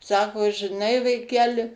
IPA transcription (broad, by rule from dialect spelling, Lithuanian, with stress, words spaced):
ˈsɑːkoː ʒʲɪˈnɐɪ ʋɐɪˈkʲæːlʲɪ